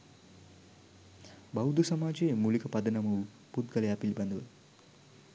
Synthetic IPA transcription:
bɐwd̪ʱusɐmaːd͡ʒeːmulikɐpɐd̪ɐnɐmu | put̪ɡɐlɐjaɐːpilibɐnd̪ɐʋɐl

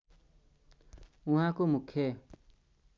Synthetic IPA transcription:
ũɦãkomukʰːje

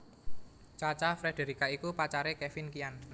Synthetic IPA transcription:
t͡ʃat͡ʃafɾed̥e̤ɾikaikupat͡ʃaɾekɛfɪnkian

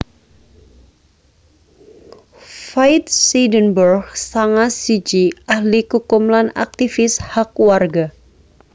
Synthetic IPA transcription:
fajt̪̚sidənbərɡsaŋasid͡ʒiʔahlikukumlana̰k̚t̪ifɪshakwarɡa

